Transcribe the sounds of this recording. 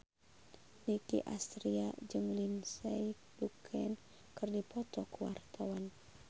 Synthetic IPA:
nikḭʔast̪ɾiad͡ʒɨŋlinsɛj | dukʰɛn | kɨrdipɔt̪ɔkəwart̪awan

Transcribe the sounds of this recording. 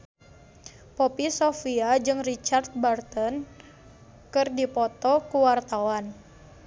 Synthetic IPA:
pɔpisɔfiad͡ʒɨŋrit͡ʃart̪̚bart̪ɔn | kɨrdipɔt̪ɔkuwart̪awan

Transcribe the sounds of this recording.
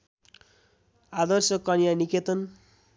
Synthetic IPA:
ad̪ʌrsʌkːʌnjaniket̪ʌn

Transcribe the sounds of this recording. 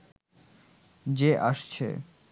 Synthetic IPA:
d͡ʑeʔaʃt͡ɕʰḛ

